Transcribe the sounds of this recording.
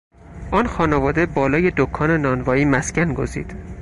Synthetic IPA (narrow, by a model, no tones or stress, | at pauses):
ʔɒːnxɒːnevɒːd̪e̞bɒːlɒːje̞d̪okʰːɒːnenɒːnvɒːiːmæscænɡo̞zḭːd̪̥